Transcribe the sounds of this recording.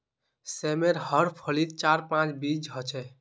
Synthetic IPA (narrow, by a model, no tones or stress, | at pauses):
semeɾhəɾpʰəlit̪̚t͡ʃaɾpãt͡ʃbid͡ʒɦɔt͡ʃʰɛ